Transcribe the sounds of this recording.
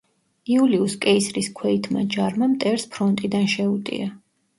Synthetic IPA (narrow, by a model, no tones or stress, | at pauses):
iuliuskʼɛisɾiskʰwɛit̪ʰma̰d͡ʒaɾmamt̪ʼɛɾspʰɾɔnt̪ʼid̪anʃɛut̪ʼḭa